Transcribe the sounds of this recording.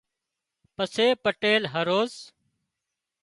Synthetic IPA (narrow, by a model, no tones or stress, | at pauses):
pəseːpəʈeːlɦəɾoːz